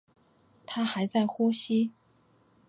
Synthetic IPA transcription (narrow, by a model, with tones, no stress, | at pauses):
t̪ʰa˥xa˧˥ɪt͡sa˥˩ɪxu˥ɕi˥